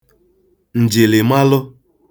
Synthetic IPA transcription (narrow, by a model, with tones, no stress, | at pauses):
n̩˨d͡ʒe˨le˨ma˦lʊ˦